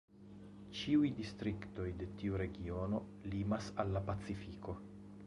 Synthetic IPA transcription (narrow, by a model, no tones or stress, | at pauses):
t͡ʃiujdistɾikto̞jde̞tiuɾe̞ɡio̞no̞ | limasalːapat͡sifiko̞